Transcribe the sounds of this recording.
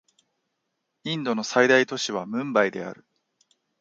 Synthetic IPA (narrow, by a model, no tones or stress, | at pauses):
ĩnd̪o̞no̞said̪ait̪o̞ɕiβamɯ̟̃mbaid̪e̞̰a̰ɾɯ̟